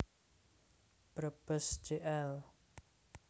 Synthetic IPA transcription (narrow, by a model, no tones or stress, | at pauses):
b̥ɾəb̥əsd͡ʒ̥eʔɛl